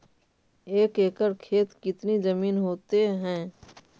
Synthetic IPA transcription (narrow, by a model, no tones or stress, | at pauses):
eːkeːkəɾkʰeːt̪kɪt̪nizɐmiːnɦoːt̪eɦɛ̃ː